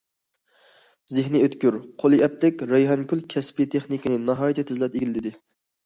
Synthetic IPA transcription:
zɪɦnɪøt̪kʲyɾqʰolˠɨʔɛplɪkʲɾejɦɑnkʲylˠkʲʰɛspit̪ʰeχnikʲinɪnɑɦɑːjit̪ʰɪt̪ʰyzlɛp̚eɡʲilɪt̪ɪd̪ɪ

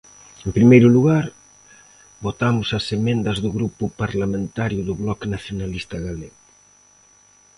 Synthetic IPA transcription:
empɾimejɾʊluɣaɾ | bot̪amʊsɐsemẽnd̪ɐzðʊɣɾupʊpaɾlamẽnt̪aɾjʊðʊβlɔknaθjonalist̪ɐɣaleɣʊ

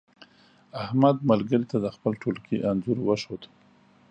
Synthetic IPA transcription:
ahmad̪̚malɡəɾit̪ad̪əxpəlʈʰolkʰiʔanzuɾwəʃod̪

